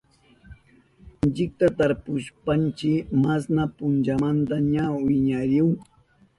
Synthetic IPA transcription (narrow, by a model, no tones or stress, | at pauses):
ɪnt͡ʃɪk̚t̪at̪aɾpʊʃpant͡ʃɪmasnapʊnt͡ʃamant̪aɲawɪɲaɾɪw